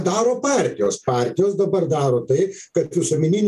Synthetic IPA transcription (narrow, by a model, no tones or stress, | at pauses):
d̪ɑːɾoːpɑˑɾʲt̪ʲɪjoːspɑːɾʲt̪ʲɪjoːsd̪ɐbɐrd̪ɑːɾoːt̪ɐɪkɐt̪ʋʲɪsʊmʲɪnʲɪnʲ